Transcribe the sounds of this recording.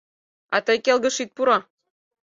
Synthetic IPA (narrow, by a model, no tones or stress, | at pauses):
ɑt̪əjkelɣə̆ʃit̪̚puɾɑ